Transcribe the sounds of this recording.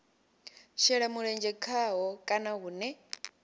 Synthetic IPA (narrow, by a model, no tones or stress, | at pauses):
ʃɛɺamuɺɛnd͡ʒɛkʰaɦɔkʼanaɦunɛ